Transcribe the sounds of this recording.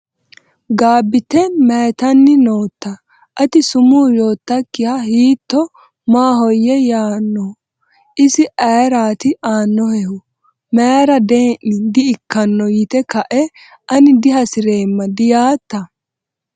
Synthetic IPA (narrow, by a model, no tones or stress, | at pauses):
ɡaːbːɪt̪ːɛmɛjt̪ɐnːɪno̞ːt̪ːɐ | ʔɐt̪ɪsʊmuːjoːt̪ːɐkːɪhɐhiːt̪ːɔ | maːɦɔjːɛjaːnːɔ | ʔɪsɪʔɐjɾaːt̪ɪʔaːnːɔhɛhʊ | meːɾɐd̪eːnɪd̪ɪɪkːɐnːɔjɪt̪ɛkɐʔɛ | ʔɐnɪd̪ɪɦɐsɪɾe̞ːmːɐd̪ɪjaːt̪ːɐ